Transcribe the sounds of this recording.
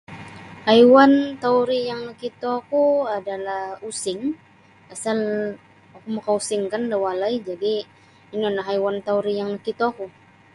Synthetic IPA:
hajwant̪auɾijaŋnəkit̪okuadalahusɪŋ | asal | akumakausɪŋkandawalaid͡ʒadiː | nianaɦajwant̪auɾijaŋnəkit̪oku

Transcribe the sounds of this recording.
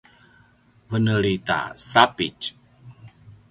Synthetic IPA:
vənəlita̰sapit͡ʃ

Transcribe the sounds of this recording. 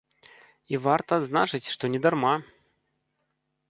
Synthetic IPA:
ivart̪ɐːd̪znat͡ʂɨt͡sʲʂt̪ɔnʲɛd̪arma

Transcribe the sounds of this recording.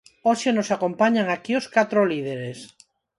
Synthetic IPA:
oʃenosakompaɲaŋakioskat̪ɾolið̞eɾes

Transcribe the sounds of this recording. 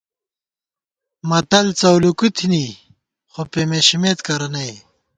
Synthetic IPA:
mɐt̪ɐlt͡sɐwlukut̪ʰini | xopemeɕimet̪kɐɾɐnɐj

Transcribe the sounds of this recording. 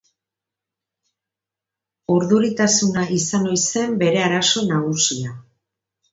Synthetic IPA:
uɾðuɾit̪asunaisano̞jse̞mbe̞ɾe̞aɾaso̞naɣusia

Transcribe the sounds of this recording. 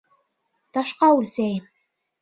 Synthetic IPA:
t̪ɑʃqɑʉlsæjɘm

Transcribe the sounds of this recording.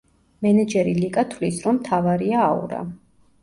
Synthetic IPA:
mɛnɛd͡ʒɛɾilikʼat̪ʰvlisɾɔmːt̪ʰavaɾiaːṵɾa̰

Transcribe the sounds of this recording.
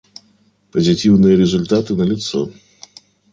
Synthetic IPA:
pɐzʲitʲiwnɨjɐɾʲɛzʊlʲt̪at̪ɨnɐlʲit̪sɔ̰

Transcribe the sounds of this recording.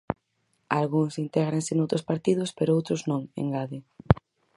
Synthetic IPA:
alɣuŋsint̪ɛɣɾaŋsɪnowt̪ɾʊspaɾt̪iðʊspeɾoowt̪ɾʊznõŋḛŋɡaðɪ

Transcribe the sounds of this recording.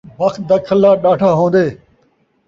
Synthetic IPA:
bəxt̪̚d̪aːkʰəlːaːɗaːʈʰaːɦõːnd̪eː

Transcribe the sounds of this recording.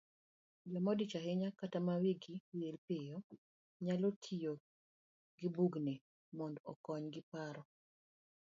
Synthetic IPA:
d͡ʒɔmɔdit͡ʃaɦɪɲakatamawiɡiwelpɪjɔ | ɲalotʰijo | ɡɪbuɡne | mɔndɔ̰kɔɲɡɪpaɾɔ

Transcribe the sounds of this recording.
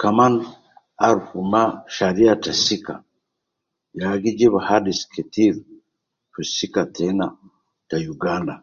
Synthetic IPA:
kaman | aɾufumaʃaɾiatasika̰ | jaɡid͡ʒeβahadiskʰetiɾ | tusikatʰena | tajuɡaːnda

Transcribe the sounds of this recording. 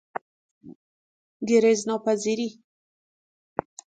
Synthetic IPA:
ɡeɾeznopaziɾi

